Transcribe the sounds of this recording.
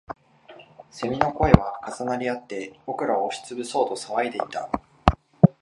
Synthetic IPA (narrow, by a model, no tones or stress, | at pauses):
se̞mʲino̞ko̞e̞βakazanaɾʲiat̪ːe̞b̥o̞kɯ̟ɾaoːɕi̥t͡sɨbɯ̟so̞ːt̪o̞saβaid̪e̞it̪a